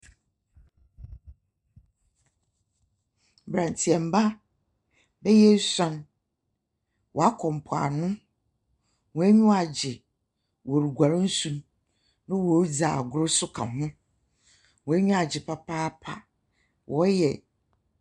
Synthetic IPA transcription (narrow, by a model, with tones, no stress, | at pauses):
bɾã˨n˨tʰi˨ɛ˨m̩˨ba˦ | bɛ˦jɛ˦sã˨n | wʔɔ˨a˦kʰɔ̃˨m̩˨pʰa̰˨nʊ̃˦ | wɔ̃˨æ˦ɲᶣũ˦a˨d͡ʑɪ˨ | wɔ˨ɾu˨ɡʷa˨ɾɪ̃˦n̩˦sũ˨m | nʊ̃˦wɔ˨˦d͡za̰ː˨ɡʊ˨˦ɾʊ˦sʊ˦kʰa̰˨ɦʊ̃˦ | wɔ̃˨æ˦ɲᶣũ˦a˨d͡ʑɪ˨pʰa˦pʰaː˦pʰa˨ | wʔɔ˦jɛ˨